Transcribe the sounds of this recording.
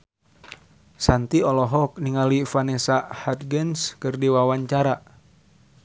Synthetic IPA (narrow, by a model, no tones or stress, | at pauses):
sant̪iɔlɔɦɔk̚niŋalifanɛsahat̪̚ɡənskɨrdiwawaɲt͡ʃaɾa